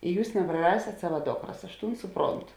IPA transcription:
ɪ ˈjuːs nʲɛprɐˈrɑːsʲeːt ˈsɑːʋɐ ˈdoːkrɐs ɐʃ ˈtuːn ˈsʊˌproːntʊ

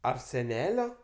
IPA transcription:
ɐr sʲɛˈnʲæːlʲoː

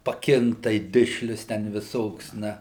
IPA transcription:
pɐˈkʲɪŋktɐɪ ˈdʲɪʃʲlʲʊs tʲɛn ʋʲɪˈsoːks ˈnɐ

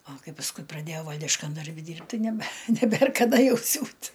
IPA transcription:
ɐ ˈkɐɪ pɐsˈkʊɪ prɐˈdʲeːjɛʊ ˈʋɐlʲdʲɪʃkɐn dɐrʲˈbʲɪ ˈdʲiːrʲpʲtʲ ˈtɐɪ nʲɛbʲɛ nʲɛˈbʲeːr kɐˈdɐ ˈjɛʊ ˈsʲuːt

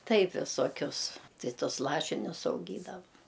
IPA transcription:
ˈtɐɪp ʋʲɪsoːˈkʲʊs ˈtɐɪ ˈtʊs ˈlˠɑːʃʲɪnʲʊs ɐʊˈɡʲiːdɐʋɐ

